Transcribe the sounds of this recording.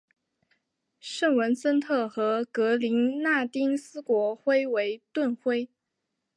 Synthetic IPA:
ʂə˥˩ŋwə˧˥nsə˥nt̪ʰɤ˥˩xɤ˧˥kɤ˧˥li˧˥nna˥˩t̪i˥ŋsɹ̩˥kwɔ˧˥xwe˥ɪwe˧˥ɪt̪wə˥˩nxwe˥ɪ

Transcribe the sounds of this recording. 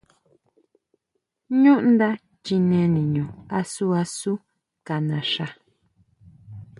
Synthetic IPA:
ɲũ˦ʔnd̪a˦ | t͡ʃi˧nẽ˧nĩ˨ɲũ˨a˧su˦a˧su˦ | ka˨nã˨ʃa˧

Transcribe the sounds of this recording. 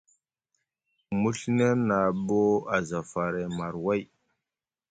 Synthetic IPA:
mu˦ɬne˦ɾna˨bo˦a˨za˨fa˨ɾe˨ma˨ɾwa˦j

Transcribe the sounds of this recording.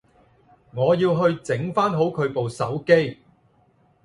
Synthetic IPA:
ŋɔː˨˧jiː˧wɦɵ˧ɥt͡sɪ˨˥ŋfaː˥nɦo˨˥wkʰɵ˨˧ɥpo˨wsɐ˨˥wke˥j

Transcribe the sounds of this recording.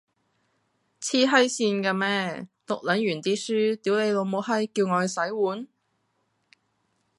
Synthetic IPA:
t͡sʰiː˥ɦɐ˥jsiː˧nkaː˧mɛː˥lʊ˨k̚lɐ˨˥njyː˨˩nt͡siː˥syː˥t̪i˨˥wle˨˧jlo˨˧wmo˨˧whɐ˥jki˧wŋɔː˨˧sɐ˨˥jwuː˨˥n

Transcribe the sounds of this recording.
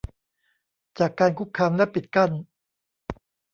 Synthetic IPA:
t͡ɕaː˨˩kːaː˧nkʰu˦˥kʰːaː˧mlɛ˦˥pi˨˩t̪̚ka˥˩n

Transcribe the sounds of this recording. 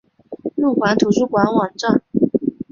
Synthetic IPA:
lu˥˩kwa˧˥nt̪ʰu˨˩ʂu˥˩kwa˧˥nwɑ˨˩ŋʈ͡ʂa˥˩n

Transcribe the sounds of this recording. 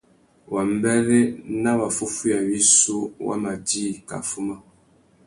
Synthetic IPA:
wa˨m̩˦bɛ˦ɾe˦na˦βa˨fu˦fu˦ja˨wi˦su˦wa̰˦ma˨diː˦˨ka̰˨fu˦ma˦

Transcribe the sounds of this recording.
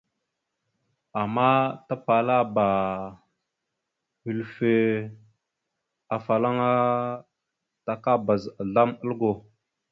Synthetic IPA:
a˨ma˦ta˦pa˨la˦ba˨ | hi˨lfe˨ | a˨fa˨la˦ŋa˦ | ta˨ka˦ba˨za˨ɮa˦mə˦lɡo˨

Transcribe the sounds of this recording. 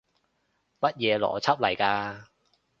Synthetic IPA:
mɐ˥t̚jɛː˧lɔ̰ː˨˩t͡sʰɐ˦˥p̚lɐ˨˩jkaː˧

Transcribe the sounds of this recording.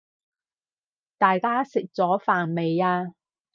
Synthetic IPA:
t̪aː˨jkaː˥sɪ˨k̚t͡sɔː˨˥faː˨˩nme˨jaː˧

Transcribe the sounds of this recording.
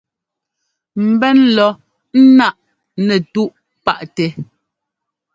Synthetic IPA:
m̩˨bɛ˦nlɔ˨˦ | n̩˦na˦˨ʔ | nɛ˨tu˦ʔ | pa˦˨ʔtɛ˨

